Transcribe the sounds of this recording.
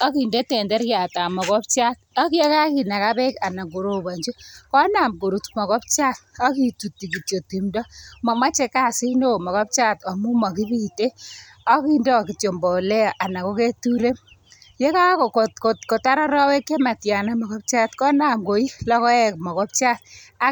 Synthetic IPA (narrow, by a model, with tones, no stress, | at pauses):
ɔ˦ki˨nde˦te˨ndɛ˦ɾja˨ta˨mɔ˨kɔ˦p̚t͡ʃa˦t̚ɔ˦kje˦ka˦ki˨na˨ka˦bɛ˦ka˨na˨ɡo˨ɾo˨ba˨ɲd͡ʒu˦kɔ˦na˨mko˨ɾu˨tmɔ˨kɔ˦p̚t͡ʃa˦t̚ɔ˦ki˦tu˨tːi˨k̬i˨tjo˨ti˨mdɔ˦mɔ˨ma˦t͡ʃe˦ka˦˨si˦no˦˨mɔ˨kɔ˦p̚t͡ʃa˦tɔ˨mu˦mɔ˨ki˦bi˦te˦ | ɔ˦ki˦ndɔ˦˨ki˨tjo˨mbɔ˨lɛ˦˨ʔa˨na˨ko˦ke˦tu˦ɾe˦ | je˦ka˦kkotko˨tko˨ta˦ɾɔ˦ɾɔ˦we˦kːe˦ma˨tja˨na˦mɔ˨kɔ˦p̚t͡ʃa˦tkɔ˦na˨mko˨i˦lɔ˦kɔ˦ɛ˦k̚mɔ˨kɔ˦p̚t͡ʃa˦t̚a˦